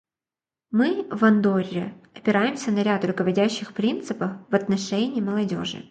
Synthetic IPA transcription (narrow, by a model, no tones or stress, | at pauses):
mɨvɐnd̪o̞rʲːɪ̰ɐpʲɪɾajɪmsʲənɐɾʲat̪rʊkəvɐdʲæɕːɪxpɾʲint̪sɨpəfvɐt̪nɐʂɛnʲɪːməlˠɐdʲo̞ʐɨ̰